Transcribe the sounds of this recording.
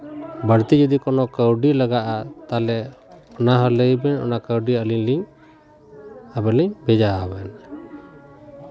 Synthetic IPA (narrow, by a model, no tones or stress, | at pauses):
bəɾt̪id͡ʒɔd̪ikɔnɔkəwɖiləɡaʔat̪alɛɔnaɦələjbɛnɔ̰nakəwɖiəliɲliɲ | abɛliɲbɛd͡ʒaɦɔbɛn